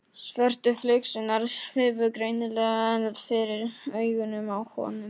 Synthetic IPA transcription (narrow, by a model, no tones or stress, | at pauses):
svœr̥t̪ʏflʏɥksɪnaɾfɪːvʏɾkɾejnɪlɛːɣaɛnafɪɾɪɾœːɥɣʏnʏmawhɔ̰ːnʏm